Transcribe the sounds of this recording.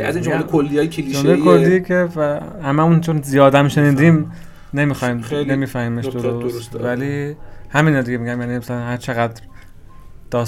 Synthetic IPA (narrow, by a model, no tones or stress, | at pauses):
æ̰zind͡ʒolekʰolːiɒːjekʰelid͡ʒomlejkʰollːicʰevæhæmæmunt͡ʃʰonzijɒːd̪æmʃe̞niːd̪iːm | ne̞mixɒjmnemiːfæhiːmeʃd̪oɾoost̪vælihæmiːnɒd̪iɟeiɟæmjæniːmsælænhæɾt͡ʃʰeɣæd̪ɾ | d̪̥ɒːs